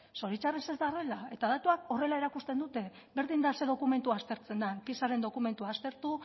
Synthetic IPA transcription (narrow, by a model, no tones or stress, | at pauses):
so̞ɾit͡ʃarese̞zd̪are̞lae̞t̪aðat̪uako̞re̞lae̞ɾakust̪e̞nd̪ut̪e̞ | be̞ɾðind̪ase̞ðo̞kume̞nt̪uast̪e̞ɾt͡se̞nd̪anpisaɾe̞nd̪o̞kume̞nt̪uaːst̪e̞ɾt̪u